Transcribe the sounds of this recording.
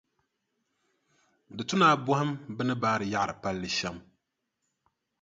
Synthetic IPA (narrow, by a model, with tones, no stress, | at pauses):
dɨ˨tʊ˦naː˦bʊ˦hɪ˦mbɨ˦nɨ˦baː˦ɾɨ˨ja˦ʔɾɨ˨pa˦lːɨ˨ʃɛ˦m